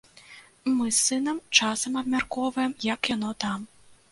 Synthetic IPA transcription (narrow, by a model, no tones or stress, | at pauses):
mɨsːɨn̪ɐmt͡ʂasɐmɐbmʲarkɔvɐjɛmjɐkjanɔt̪am